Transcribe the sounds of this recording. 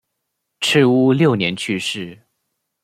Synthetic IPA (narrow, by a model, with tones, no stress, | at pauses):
ʈ͡ʂʰɻ̩˥˧u˥ljo˥˩ʊnjɛ˧˥nt͡ɕʰy˥˧ʂɻ̩˥˩